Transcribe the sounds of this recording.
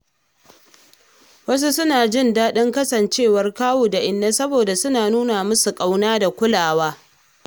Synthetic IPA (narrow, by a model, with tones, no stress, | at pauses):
wɐ˦s̬u˦sʊ˦naː˨d͡ʒɪ˦˨ndaː˦ɗɪ˦ŋkɐ˦sɐ˨nt͡ʃeː˦˨wɐ˦rkaː˦woː˨da˨ʔɪ˨nːa˦sɐ˦boː˨da˨sʊ˦naː˨nuː˦na˨mʊ˦su˨kʼa˦wnaː˦da˨kʷʊ˦laː˨waː˦